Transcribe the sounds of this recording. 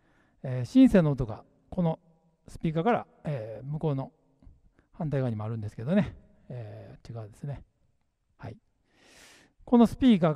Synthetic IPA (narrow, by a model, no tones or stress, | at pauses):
eːɕĩsenːoːt̪o̞ɡa̰ | ko̞no̞ | sɨ̥pʲiːkakaɾa̰ | eːmɯ̟ko̞ːno̞ | hãnt̪aikaɲimoaɾɯ̟̃nd̪e̞sɨ̥ke̞d̪o̞ne̞ | eːt͡ɕiɡaβd̪e̞sɨne̞ | hai | ko̞no̞sɨ̥pʲiːka